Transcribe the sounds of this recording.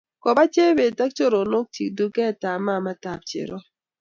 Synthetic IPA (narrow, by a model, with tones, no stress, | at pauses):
kɔ˨ba˦t͡ʃe˦be˨ta˦k̚t͡ʃo˦ɾo˨no˦k̚ti˨k̚du˦kɛ˦˨ta˨ma˦˨ma˦ta˨p̚t͡ʃḛ˨ɾo˦